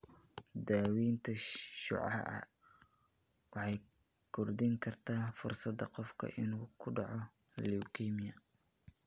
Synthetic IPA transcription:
d̪aːwiːnt̪ʰɐʃʊ̰ʕɑ̰hʔɐ̰ | wɑħɑj | kʰʊrd̪iŋkʰɐrt̪ʰaːfʊrsɐd̪ɐqɔfkʰɐ̰ʔɪnuːkʰʊɖɑʕɔ | lɛukʰiːmɪjɐ

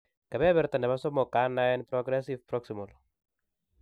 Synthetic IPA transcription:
kabɛβɛɾt̪andɛmasɔmɔkanajnpɾɔɡɾɛsivpɾɔksimɔl

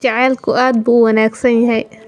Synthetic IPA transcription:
t͡ʃɐʕɛːlkʰʊʔaːd̪̚buːwɑnaːɡsɐnjɐɦɛj

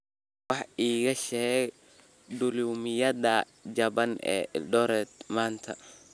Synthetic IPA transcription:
wɑħiːɣɐʃɛː | d̪ʊluːmɪjɐðɐ | d͡ʒɐβɐnɛ̰ːɖɔɾɛd̪maːnt̪ʰɐ̰

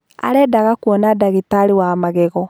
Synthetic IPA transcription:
a̰ɾɛːdaɣakwɔnadaɣitaɾiwamaɣɛɣɔ

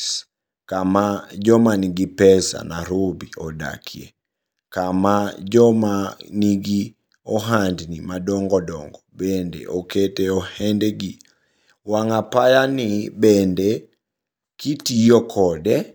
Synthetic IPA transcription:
s | kamad͡ʒɔmaniɡipɛsa̰naɾubiɔda̰kʰjḛ | kamad͡ʒɔmaniɡi | ɔɦandnimadɔŋɡɔdɔ̰ŋɡɔbendḛʔɔketeɔhɛndɛɡi | waŋapajanɪbɛnde | kitijɔkʰɔdɛ

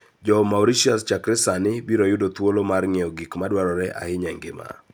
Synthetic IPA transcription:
d͡ʒɔmawɾiʃiast͡ʃakɾɪsanɪbiɾojʊdot̪wolomarŋeoɡikmadwaɾɔɾɛʔa̰hɪɲɛŋɡɪ̰ma̰

